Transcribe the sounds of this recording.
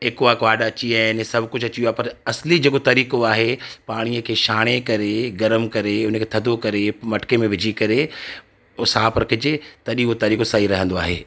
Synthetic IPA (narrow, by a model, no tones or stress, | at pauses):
ɦeːkoakʋaːɖɐt͡ɕiaːɦɪnsɐbʱkʊd͡ʑʱɐt͡ɕijuoaːɦepɐɾɐslid͡ʑeːkot̪ɐɾiːkoaːɦepaːɽ̃iəkʰeːʃaːɽ̃ekɐɾeɡɐɾəmkɐɾeʊnəkʰeːt̪ʰɐd̪ʱokɐɾemɐʈkemẽʋɪd͡ʑʱikɐɾe | ʊsaːpɾɐkʰɪd͡ʑɪt̪ɐɗĩɦot̪ɐɾiːkosaːiɾɐɦə̃nd̪oaːɦḛː